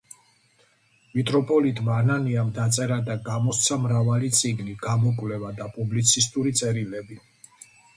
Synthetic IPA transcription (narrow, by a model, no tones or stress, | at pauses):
mit̪ʼɾɔpʼɔlit̪ʼmaːnaniamd̪at̪sʼɛɾad̪aɡamɔst̪sʰamɾavalit̪sʼiɡniɡ̥amɔkʼvlɛvad̪apʼublit̪sʰist̪ʼuɾit̪sʼɛɾilɛbi